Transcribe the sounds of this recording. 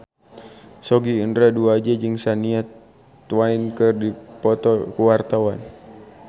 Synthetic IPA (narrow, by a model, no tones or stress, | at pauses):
sɔɡiːndɾaduad͡ʒad͡ʒɨŋsaniat̪ | wainkɨrdipɔt̪ɔkuwart̪awan